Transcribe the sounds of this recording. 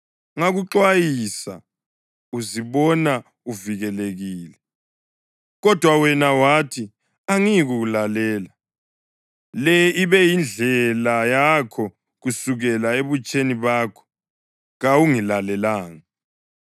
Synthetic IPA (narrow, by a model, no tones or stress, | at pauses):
ŋaɣuǁwajisa̰ | uziβɔna | uviɣɛleɣiːlɛ | ɣɔd̥ʱwawɛnawatʰi | aŋiɣuɣulalɛːla | lɛiβɛjind͡ɮʱɛlajakʰɔ | ɣusuɣɛlaeβut͡ʃʼeniβaːkʰɔ̥ | ɣawuŋilalɛlaːŋa